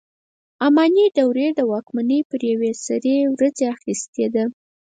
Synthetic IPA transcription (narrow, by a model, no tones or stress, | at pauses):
amɑniɖ̪awɾed̪əwɑkmanəjpəɾjawesaɾewɾad͡zeaxist̪ed̪a